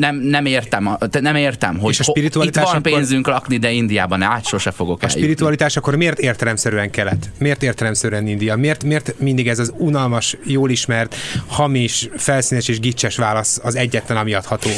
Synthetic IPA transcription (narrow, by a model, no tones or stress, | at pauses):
nɛmnɛmeːrt̪ɛmt̪ɛnɛmeːrt̪ɛmɦoeːʃɒʃpiɾit̪uɒllit̪aːʃɒʃmpenzyŋklɒknid̪ɛind̪ijaːbɒnaːt̪ʃoʃɛfoɡo̞kːɛ̰ʃlːiɾit̪uɒlit̪aːʃɒkːo̞rmeːrt̪eːrt̪ɛlɛmsɛɾyɛŋkɛlːɛt̪ːmeːrt̪eːrt̪ɛlɛmsɛɾyɛnind̪ijɒmeːrt̪meːrt̪mind̪iɡɛzɒzunɒlmɒʃjoːliʃmɛrt̪hɒmiʃfɛlsiːnɛʃeːʒɡit͡ʃːɛʃʋaːlɒsɒzɛɟːɛt̪lɛnɒmiɒt̪hɒt̪oː